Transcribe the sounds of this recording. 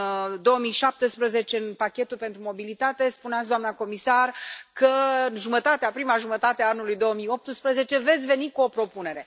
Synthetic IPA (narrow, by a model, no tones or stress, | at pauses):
d̪o̞əmijʃap̚t̪espɾəze̞t͡ʃe̞ɨnpakʲe̞t̪ulpe̞nt̪ɾumo̞bilit̪at̪e̞spuneat̪s̬d̪oamnako̞misarkəɨnʒumət̪at̪eapɾimaʒumət̪at̪eaanulujd̪o̞əmijo̞p̚t̪ɨspɾəze̞t͡ʃe̞ve̞t̪sʲve̞nikuo̞pɾo̞pune̞ɾe̞